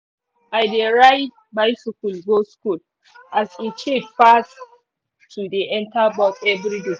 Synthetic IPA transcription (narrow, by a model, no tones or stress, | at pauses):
bajdeɹaɪd̚ | bajsɪkulɡoskul | ʔazit͡ʃedfas | tʰudeʔɛ̃ntabɔkɛvɾide